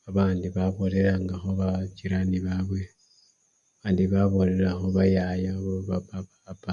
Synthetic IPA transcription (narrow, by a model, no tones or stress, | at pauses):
aβaːndiβaβo̞le̞ɾaŋɡaxo̞βat͡ʃiɾaniβaβwe | aβaːndiβaβo̞le̞ɾaxoβajajaβoβapaβapa